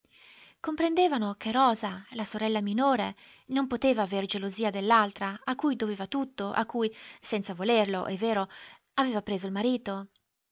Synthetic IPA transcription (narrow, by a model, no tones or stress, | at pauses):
kompɾend̪eːvanokerɔːzalasoɾɛlːaminoːɾe | nompot̪eːvaːverd͡ʒeloziːad̪elːalt̪ɾaakːujd̪oveːvat̪ut̪ːoʔa̰kːujsɛntsavolerlo̰ʔɛvːeːɾo | aveːvapɾeːzoilmaɾiːt̪o